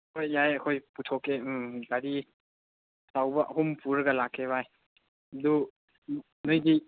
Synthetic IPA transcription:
kʰojːajəkʰojputʰɔkekaɾi | sawbɐʔɦumpʰuɾɡalakʰebaj | d̪u | nojdi

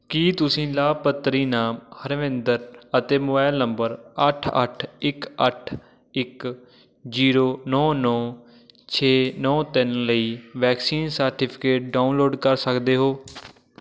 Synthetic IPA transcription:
kiːt̪ʊsĩːlaːpət̪ːɾiːnaːmhəɾʋɪ̃nd̪əɾət̪eːmʊbaːɪlnəmbəɾəʈʰə̰ʈʰɪkəʈʰ | ɪk | d͡ʒiːɾoːnɔ̃ːnɔː | t͡ʃʰeːnɔ̃ːt̪ɪnləiːʋɛːksiːnsəɾʈɪːpʰɪkeːʈ̚ɖaːunloːɖkəɾsəkd̪eːɦoː

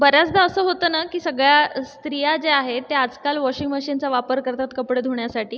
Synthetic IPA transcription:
bəɾjat͡sd̪aəsəːɦot̪əːnakiːsəɡɭjast̪ɾijad͡zeaɦet̪ːead͡zkalʋɔɕiŋɡməɕint͡saʋapəɾkəɾt̪at̪kəpɽəd̪ʱoɳjasaʈiː

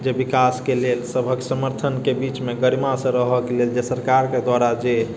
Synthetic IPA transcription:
d͡ʒebikaskelelsəbʱəksəməɾt̪ʰənkebit͡ʃmeɡəɾimasə̃ɾəɦəkeleld͡ʒesəɾkaɾked̪waɾad͡ʒe

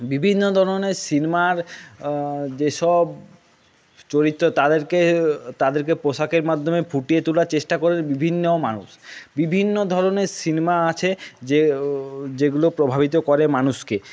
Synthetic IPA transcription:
bibʱinːod̪ʱɔɾoneɾsinemaɾ | d͡ʑeʃɔb | t͡ɕoɾit̪ːot̪ad̪eɾket̪ad̪eɾk̬epoʃakeɾmad̪ʱːomefʰuʈijet̪ulaɾt͡ɕeʃʈakoɾeɾbibʱinːomanṵʃbibʱinːod̪ʱɔɾoneɾsinemaat͡ɕʰe | d͡ʑeɡulopɾobʱabit̪̬okɔɾemanuʃke

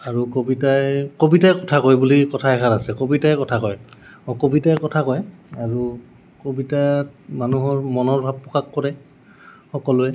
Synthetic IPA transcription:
aɹukobitajkobitajkɔtʰakɔjbulikɔtʰaɛkʰatasɛkobitajkɔtʰakɔjɔkobitajkɔtʰakɔjaɹu | kobitatmanuɦɔɹmɔnɔɹbʱab̚pːɔkakːɔɹɛ | xɔkɔlʊɛ

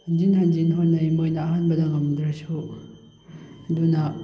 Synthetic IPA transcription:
hand͡ʒinhand͡ʒinɦonnːɐimbojnɐːɦanbɐdɐŋɐmdɾɐsu | ɐdunɐ

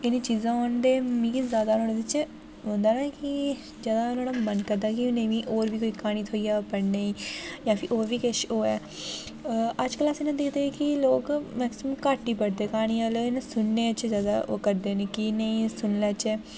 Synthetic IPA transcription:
ɪnĩːt͡ʃiːzãːɔːnd̪eːmĩɡizjaːd̪aːnõːɽeːdɪt͡ʃ | ə̃nd̪aːnaːkɪ | d͡ʒjaːd̪aːʊnoːnaːmənkəɾd̪aːkiʊnẽːʋĩːʔoːɾʋiːkoːiːkaːɽ̃ĩːt̪ʰoːijaːpəɽneːiːjãːpʰɪʔoːɾʋiːkɪʃoːɛː | əd͡ʒkəlaːsinãːd̪ɪkʰd̪eːkɪloːkmɛːksɪməmkaːʈiːpəɽd̪eːkaːɽ̃iːaːleɪnẽsʊnːeːət͡ʃːzjaːd̪a̰ːʔo̰kəɾd̪eːnẽːkinəĩːsʊnlɛːt͡ʃɛː

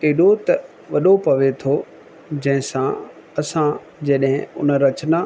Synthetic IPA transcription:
eːɗot̪ɐ | ʋɐɗopɐʋet̪ʰo | d͡ʑɐ̃ɦɪ̃sã | ɐsã | d͡ʑeːɗɦɪ̃ʊ̰nəɾɐt͡ɕna

